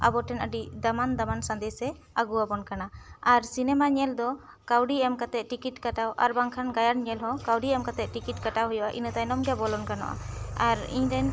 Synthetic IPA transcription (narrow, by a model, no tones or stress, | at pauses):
a̰bɔʈɛnəɖid̪amand̪amansãnd̪ɛsɛ | aɡuwabɔnkanaaɾsinɛmaɲɛld̪ɔ | kawɖiɛmkat̪ɛʔ̪̚ʈikiʈkaʈawʔa̰ɾbaŋkʰanɡajaɾɲɛlɦɔ̃kawɖiɛmkat̪ɛʔ̪̚ʈikiʈ̚kaʈawɦujɔʔa̰ʔḭnət̪ajnɔmɡɛbɔlɔnkana̰ʔa̰aɾḭɲɾɛn